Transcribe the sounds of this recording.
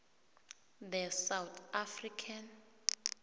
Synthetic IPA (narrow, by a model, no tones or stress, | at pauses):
dɛsawt̪ʰafrikʰan